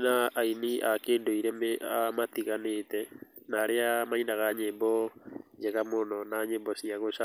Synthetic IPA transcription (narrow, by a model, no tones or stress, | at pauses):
naainiʔakeːndoiɾɛmamat̪iɣanetɛnaɾeamainaɣaɲembɔd͡ʒɛɣamonɔnaɲembɔsiaɣoʃa